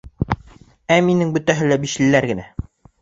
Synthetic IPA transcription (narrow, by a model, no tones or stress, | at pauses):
æminɘŋbɵ̆t̪æɦɘlæbiʃilːæɾɡɘ̆næ